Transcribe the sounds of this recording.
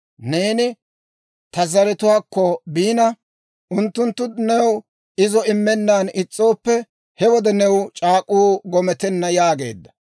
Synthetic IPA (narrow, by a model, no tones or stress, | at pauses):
ne̞ːnɪ | t̪ɐzɐɾɛt̪ʊwaːkːɔbiːnɐ | ʔʊnt̪ːʊnt̪ːʊnɛw | ɪzɔɪmːɛnːaːnɪt͡sʼːo̞ːpːɛ | hɛwɔd̪ɛnɛwt͡ʃʼaːkʼuːɡɔmɛt̪ɛnːɐjaːɡe̞̰ːd̪ːɐ̥